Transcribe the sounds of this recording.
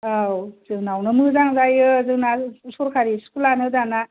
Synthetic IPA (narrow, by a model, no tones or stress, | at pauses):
awzɯŋnawnɯmɯzaŋzajɯzɯŋnasuɾkʰaɾiskulanɯdana